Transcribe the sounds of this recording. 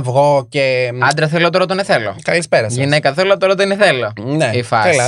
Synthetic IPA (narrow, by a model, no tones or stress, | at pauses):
vɣoceɐnd̪ɾɐθelot̪oɾot̪oneθelo̰kɐlispeɾɐsʝinekɐθelot̪oɾɐt̪oneθeloneifɐelɐ